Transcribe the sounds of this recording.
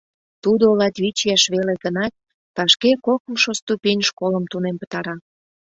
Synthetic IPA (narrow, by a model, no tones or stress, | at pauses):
t̪ud̪oolɑt̪βit͡ɕjɑʃβeleɡənɑt̪̚ː | ɑʃkekokə̆mʃost̪upʲenʲʃkoləmt̪unempə̥t̪ɑɾɑ